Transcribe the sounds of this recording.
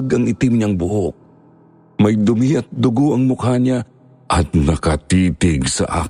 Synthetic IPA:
ɡɐŋɪt̪ɪmɲaŋbʊhok̚ | mɐjd̪ʊmiʔɐt̪̚d̪ʊɡoʔɐŋmʊkhaɲa | ʔɐt̪̚nɐkɐt̪iːt̪ɪɡsɐ̰ʔa̰ː

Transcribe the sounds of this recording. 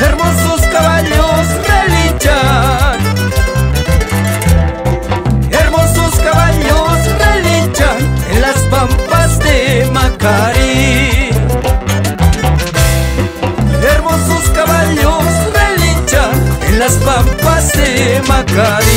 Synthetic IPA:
eɾmososkaβaʎosrelit͡ʃa | eɾmososkaβaʎosrelit͡ʃaenlaspampazd̪emakaɾi | eɾmososkaβaʎosrelit͡ʃaenlaspampazd̪emakaɾi

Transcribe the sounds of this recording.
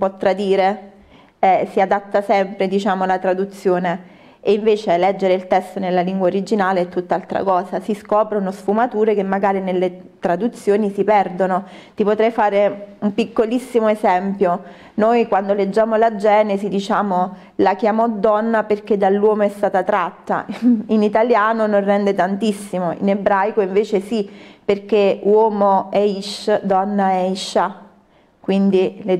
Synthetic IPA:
pot̪ːɾad̪iːɾe | ɛsiad̪at̪ːasɛmpɾed̪it͡ʃaːmolat̪ɾad̪ut̪sːjoːne | eiɱveːt͡ʃelɛd͡ʒːeɾeilt̪ɛst̪onelːaliŋɡwaoɾid͡ʒinaːleɛt̪ːut̪ːaalt̪ɾa̰kɔːsasiskɔːpɾonosfumat̪uːɾekemːaɡaːɾinelːe | t̪ɾad̪ut̪sːjoːnisipɛrd̪ono | t̪ipot̪ɾɛjfaːɾeumpikːolisːimoezɛmpjo | nojkwand̪oled͡ʒːaːmolad͡ʒɛːnezid̪it͡ʃaːmo | lak̟jamɔd̪ɔnːaperk̟ed̪alːwɔːmoɛst̪aːt̪at̪ɾat̪ːa̰init̪aljaːnonorːɛnd̪et̪ant̪isːimoḭnebɾajkoiɱveːt͡ʃesiperkewɔːmoɛiʃːd̪ɔnːaɛiʃːa | kwind̪ile

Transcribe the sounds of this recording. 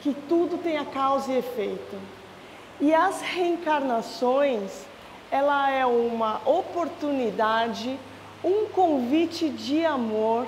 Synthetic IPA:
kɪt̪ud̪ʊt̪ẽj̃ɐkawziefejt̪ʊ | ɪɐsheẽŋkaɾnasõj̃s | ɛlɐɛũmɐʔopoɾt̪unid̪ad͡ʒɪ | ũŋkõvit͡ʃɪd͡ʒɪamoɾ

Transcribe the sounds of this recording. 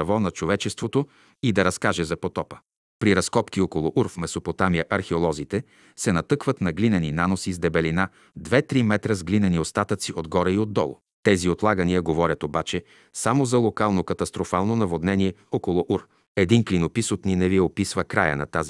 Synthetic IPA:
ɐvɔnɐt͡ʃovɛt͡ʃɛst̪vot̪o | id̪ɐɾɐskaʒɛzɐpot̪ɔpə̥ | pɾiɾɐskɔpkiɔkolˠʊʔuɾfmɛsopot̪amiəʔɐɾxɛolˠɔzit̪ɛ | sɛnɐt̪ɤkvət̪nɐɡlinɛninanosizd̪ɛbɛlina | d̪vɛt̪ɾimɛt̪ɾəzɡlinɛniost̪at̪ət̪siod̪ɡɔɾəiod̪ːɔ̰lˠʊ̰ | t̪ɛziot̪lˠaɡənijəɡovɔɾʲjət̪obat͡ʃɛ | samozɐlˠokalˠnokɐt̪ɐst̪ɾofalˠnonɐvod̪nɛniɛɔkolˠʊʔuɾ | ɛd̪inklinopisot̪ninɛviɛopisvəkɾajə̰nɐ̰t̪azi

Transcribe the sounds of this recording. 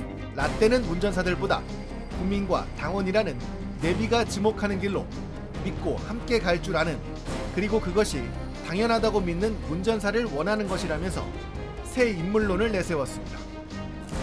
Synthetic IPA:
nat͈e̞nɯnmund͡ʑʌnsʰadɯɭboda̰ | kumːinɡwa̰taŋwʌɲiɾanɯnː | e̞biɡat͡ɕimokʰanɯnɡiɭːo̰ | mit̚k͈ohamk͈e̞kaɭt͡ɕ͈uɾanɯn | kɯɾiɡokɯɡʌɕʰi | taŋjʌnɦadaɡominːɯnmund͡ʑʌns̬ʰaɾɯɭwʌnɦanɯnɡʌɕʰiɾamjʌnsʰʌ̰ | sʰe̞imːuɭːonɯɭːe̞sʰe̞wʌs͈ɯmɲida

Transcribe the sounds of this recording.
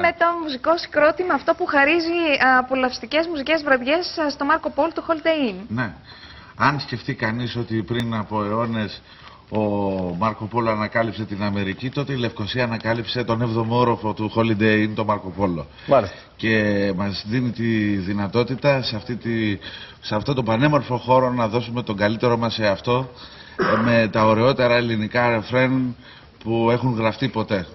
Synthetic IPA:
met̪o̞musiko̞si̥kɾo̞t̪imɐːft̪o̞puxɐɾiziɐpolɐfst̪ice̞zmusice̞zvɾɐðʝe̞sst̪o̞mɐɾko̞po̞lt̪uxo̞ld̪einne̞ | ɐnsce̞ft̪ikɐniso̞t̪ipɾinɐpo̞e̞o̞ne̞s | o̞mɐɾko̞po̞loɐnɐkɐlipse̞t̪inɐme̞ɾicit̪o̞t̪e̞ile̞fko̞siɐːnɐkɐlipse̞t̪o̞ne̞vðo̞mo̞ɾo̞fo̞t̪uxo̞lid̪eint̪o̞mɐɾko̞po̞lo̰ | as | ce̞mɐzðinit̪iðinɐt̪o̞t̪it̪ɐseɐft̪it̪i | seɐft̪ot̪o̞bɐne̞mo̞ɾfo̞xo̞ɾo̞nɐðo̞sume̞t̪o̞ŋɡɐlit̪e̞ɾo̞mɐseɐft̪o̞ | me̞t̪ɐo̞ɾe̞o̞t̪e̞ɾɐelinikɐɾefɾen | pue̞xuŋɣɾɐft̪ipo̞t̪e̞

